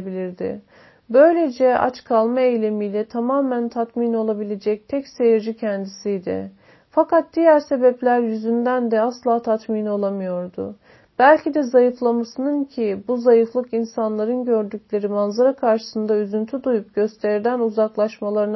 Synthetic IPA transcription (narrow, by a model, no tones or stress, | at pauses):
bilʲiɾd̪ɪ̰ | bø̞jlʲe̞d͡ʒɛa̰t͡ʃkʰalˠmaejlʲemijlʲɛt̪ʰamaːmænt̪ʰat̪mino̞lˠabilʲe̞d͡ʒɛc̚t̪ʰɛcse̞jiɾd͡ʒicʰɛnd̪isijd̪ɪ̰ | fakat̪̚d̪ijæɾse̞bɛplʲæɾjyzynd̪ænd̪ɛaslˠaːt̪ʰat̪minolˠamɯjo̞ɾd̪ʊ̰ | b̥ælʲcʰid̪ɛzajɯflˠamasɯnɯncʰibuzajɯflˠɯkinsanlˠaɾɯnɟø̞ɾd̪yclʲe̞ɾimanzaɾakʰaɾʃɯ̥sɯnd̪ayzynt̪ʰyd̪ujup̚ɟø̞st̪ʰeɾd̪ænuzaklˠaʃmalˠaɾɯn